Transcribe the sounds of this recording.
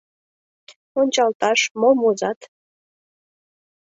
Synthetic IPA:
onʲt͡ɕɑlt̪ɑʃmomozɑt̪

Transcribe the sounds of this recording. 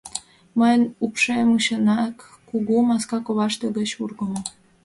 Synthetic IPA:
məjənupʃemuɕənɑkː | uɣumɑskɑkoβɑʃt̪eɡət͡ɕurɣəmo

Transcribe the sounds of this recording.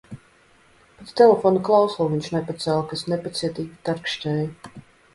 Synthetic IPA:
pet̪t̪ɛlʲefonuklˠawsˠuːviɲʲt͡ʃʃnɛpat̪sɛːlˠkasnepat̪siɛt̪iːkʲit̪aɾkʃt̪ʲɛːju

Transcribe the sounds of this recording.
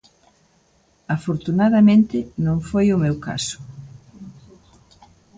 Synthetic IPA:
afoɾt̪unaðɐmẽnt̪ɪnõŋfojʊmewka̰sʊ̥

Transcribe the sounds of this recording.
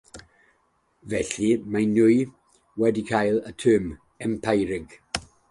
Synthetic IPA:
vɛɬimanʊj | wɛdikʰajlˠətʰøːm | ɛmpʰajɾɪɡ̥

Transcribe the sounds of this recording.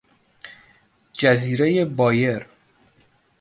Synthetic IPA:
d͡ʒæziːɾejebɒːje̞ɾ

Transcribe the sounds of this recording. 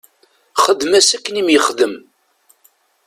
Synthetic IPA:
χəd̪ːmæsækːənimjəχðəm

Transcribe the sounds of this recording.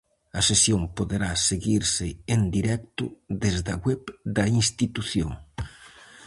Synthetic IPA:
ɐsesjompoðeɾaseɣiɾsɪend̪iɾɛk̚t̪ʊ̰ðezðɐɣwɛβd̪ɐinst̪it̪uθjoŋ

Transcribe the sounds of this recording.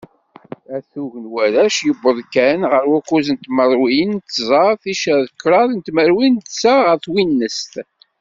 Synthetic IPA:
æθuʝənwæɾæʃjəbːəðˤkænʁəɾwækːuzənt̪məɾˤwint̪ːzˤɑɾˤθiʃəðəkːɾˤɑðnt̪məɾwint̪saʁəɾθwinːəst̪

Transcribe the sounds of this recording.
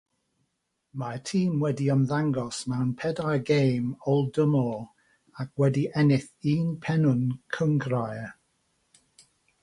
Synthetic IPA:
matʰiːmwɛdiəmðaŋɡɔsmɛwnpʰɛdaɡejmɔlˠdəmɔ | ak̚ʰwɛdiʔɛnɪθiːnpʰɛnʊnkʰəŋɡraj

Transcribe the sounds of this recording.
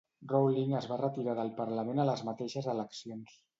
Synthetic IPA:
rowliŋəzβarət̪iɾaðəlˠpəɾləmẽnələzmat̪eʃəzələksions

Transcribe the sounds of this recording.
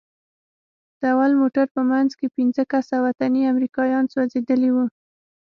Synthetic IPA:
d̪̥əawalmoʈaɾpəmanzkepinzəkasawat̪aniamɾikɑjɑnswɑzed̪əliwu

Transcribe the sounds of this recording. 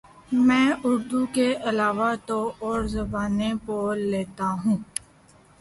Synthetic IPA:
mɛ̃ːʊɾd̪ukeʔɐlaːʋat̪oɔːɾzɐbaːnepoleːt̪aɦũː

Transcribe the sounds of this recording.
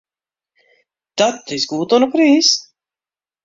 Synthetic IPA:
t̪at̪ːizɡuːt̪ɔnukɾiːs

